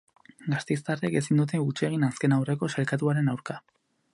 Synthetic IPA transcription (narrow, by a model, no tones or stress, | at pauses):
ɡast̪ejst̪areke̞sind̪ut̪̬e̞ut͡ʃie̞ɣ̞inaske̞nawre̞ko̞salkat̪uaɾe̞nawɾka